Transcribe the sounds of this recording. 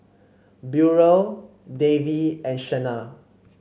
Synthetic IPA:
bjuɹo | deviɛ̃nʃɛna

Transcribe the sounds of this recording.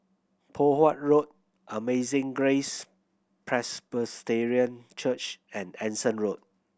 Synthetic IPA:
pʰohwat̚ɹot̚ | ʔəmezɪ̃ŋɡɹes | pʰɹɛspəsteɹiə̃nt͡ʃʰət͡ʃɛ̃nɛ̃nsə̃nɹot̚

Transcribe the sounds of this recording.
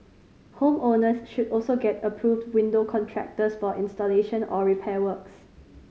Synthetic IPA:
hõmõnəsʃudɔlsoɡɛtəpʰɹuvdwĩndokʰɔ̃ntʰɹɛ̰k̚təsfɔʔɪ̃nstɔleʃə̃nɔɹipʰɛwəks

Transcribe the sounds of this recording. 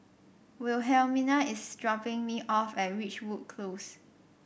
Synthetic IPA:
wɪlɦɛlminaɪsdɹɔpɪ̃ŋmiʔɔfɛt̚ɹit͡ʃwut̚kʰlos

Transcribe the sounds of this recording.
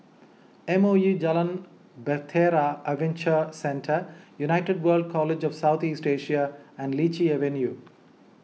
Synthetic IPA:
ẽmoːjuːd͡ʒɛlə̃n | bet̪ʰeːɾaəʋẽnt͡ʃəsɛ̃nʈʰəɾjunaɪʈeɖʋəːlɖ̚kʰɔːled͡ʒɔʋsaʊt̪ʰiːsʈeːʃiaæ̃ɳɖliːt͡ʃieʋẽnjuː

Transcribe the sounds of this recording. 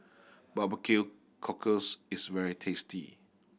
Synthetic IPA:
babəkʰel | kʰɔkʰəsisvɛɹitʰestʰḭ

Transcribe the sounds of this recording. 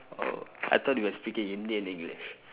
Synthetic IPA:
o̰a̰jt̪ɔt̚wiwɔspikɪ̃ŋjuniɪ̃nɪ̃ŋɡlḭʃ

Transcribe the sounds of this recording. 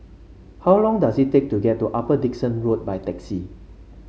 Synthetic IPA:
hawlɔ̃ŋdasittːek̚tuɡɛt̚ːuʔapədiksə̃nɹot̚bajtɛksi

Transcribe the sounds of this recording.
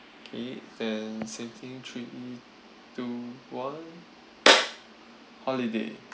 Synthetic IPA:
okʰedɛ̃nsẽmt̪ʰĩŋtʰɹiʔi | tuwãn | hɔlidḛ

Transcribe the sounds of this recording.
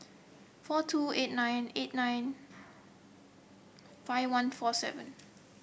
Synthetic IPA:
fɔtʰuet̚nãjnet̚nãjn | faɪwãnfɔsɛ̰və̃n

